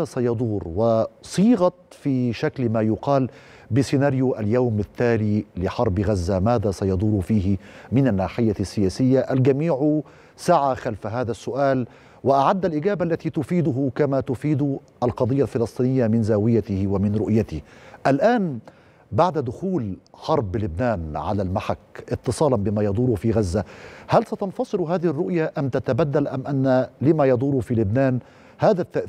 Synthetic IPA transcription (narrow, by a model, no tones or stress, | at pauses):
asajɑd̪ˤuːɾwɪsˤiːɣɑt̪fiːʃaklmaːjʊqɑːl | bɪsɪnaːɾjuʔaljawmɪt̪ːaːliːlɪħɑɾˤbɣazːamaːðaːsajɑd̪ˤuːɾfiːɦɪmɪnanːaːħɪjːasːɪjaːsɪjːaʔalɡamiːʕʊ | saʕaxalfaɦaːðasːʊʔaːl | wɪʔaʕad̪ːalʔɪɡaːbaʔalːat̪iːt̪ʊfiːd̪ʊɦʊkamaːt̪ʊfiːd̪ʊ | ʔalqɑd̪ˤɨjːalfɪlɑsˤt̪ˤiːnɪjːamɪnzaːwɪjat̪ɪhwamɪnɾʊʔjat̪ɪʔalʔaːn | baʕd̪ad̪ʊxuːlħɑɾˤbːɪlʊbnaːnʕa̰laːlmaħakʔɪt̪ːɨsˤɑːlɑnbɪmaːjɑd̪ˤuːɾʊfiːɣazːahalsat̪ɑnfɑsˤɨɾɦaːðɪhɪrːʊʔjaʔamt̪at̪abad̪ːalʔamʔanːalɪmajɑd̪ˤuːɾʊfiːlʊbnaːn | haːðat̪ːaʔ